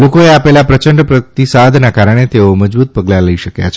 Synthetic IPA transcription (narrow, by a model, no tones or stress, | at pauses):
lokoeapelapɾət͡ʃəɳɖpɾət̪isad̪ʱnakaɾəɽ̃et̪eoməd͡ʒbut̪̚pəɡlaləiʃəkja̰t͡ʃʰ